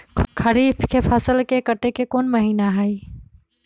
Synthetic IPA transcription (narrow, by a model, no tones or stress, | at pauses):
kʰəɾiːpʰkʰepʰəsəlkekəʈekekoːnməɦiːnaɦəi